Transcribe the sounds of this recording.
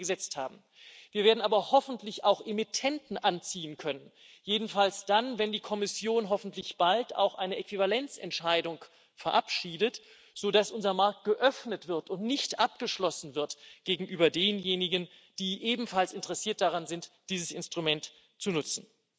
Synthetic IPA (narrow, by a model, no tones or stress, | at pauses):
ɡəzɛt͡stha̰ːbm̩ | viːɐveːɐdn̩ʔaːbɐhɔfn̩tlɪçaʊxʔemitʰɛntn̩ʔant͡siːənkʰœnən | jeːdn̩falsd̥anvɛndiːkʰɔmɪsjoːnɦɔfn̩tlɪçb̥alta̰ʊxʔaɪnəʔɛkv̥ivalɛnt͡sɛ̰ntʃaɪdʊŋ | fɛɐʔapʃiːdət | z̥oːdasʔʊnzɐmaɐk̚t̚ɡ̥əʔœfnətv̥ɪɐtʊntnɪçtʔap̚ɡ̥əʃlɔsn̩vɪɐtɡ̥eːɡŋ̩ʔyːbɐdeːnjeːnɪɡənd̥iːʔeːbm̩falsɪntəʁɛsiːɐt̚d̥aʁanzɪntd̥iːzəsɪ̰nstʁ̥umɛnt | t͡sunʊt͡sn̩